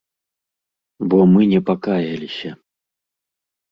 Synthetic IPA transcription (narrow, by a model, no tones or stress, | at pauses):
bɔmɨnʲɛpakajɐlʲisʲɐ